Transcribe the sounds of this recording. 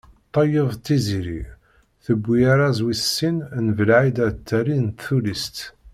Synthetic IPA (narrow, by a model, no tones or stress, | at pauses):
t̪ˤːɑjəðˤt̪ːiziɾḭ | θəbʷːiaɾazwisːinnvəlʕid̪æt̪ːæɾint̪θulist̪